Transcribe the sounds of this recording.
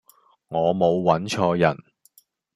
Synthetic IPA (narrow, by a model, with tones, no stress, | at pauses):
ŋɔː˨˧mo˨˧wːɐ˨˥nt͡ʃʰɔː˧jɐ˨˩n